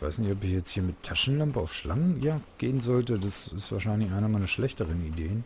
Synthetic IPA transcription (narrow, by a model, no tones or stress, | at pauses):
va̰ɪsnɪçtɔpɪçjɛt͡sthiːɐmɪtʰːaʃn̩lampəaʊfʃlaŋəjaːɡ̥eːənzɔltədasɪstv̥aːɐʃaɪnlɪçʔaɪnɐmaɪnɐʃlɛçtəʁənideːən